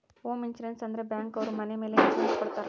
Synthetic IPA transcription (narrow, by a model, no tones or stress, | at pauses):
ɦoːmint͡ʃuɾensɐnd̪ɾe̞bjaːŋkɐʋɐɾumɐnemeːleit͡ʃespɐɽt̪aːɾ